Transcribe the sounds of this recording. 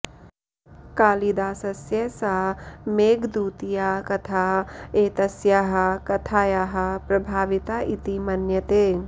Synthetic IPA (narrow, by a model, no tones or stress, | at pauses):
kaːlid̪aːsɐsjɐsaɦmeːɡd̪uːt̪ijaːkɐt̪ʰaːeːt̪ɐsjaɦɐ̆kɐt̪ʰaːjaːɦɐ̆pɾɐbʱaːʋit̪aːʔit̪imɐnjɐt̪eː